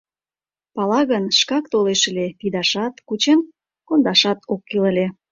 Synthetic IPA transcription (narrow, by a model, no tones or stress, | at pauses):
pɑlɑɣənʃkɑkt̪oleʃə̆lʲekid̪ɑʃɑt̪kut͡ɕen | kond̪ɑʃɑt̪ʰokːelə̆lʲe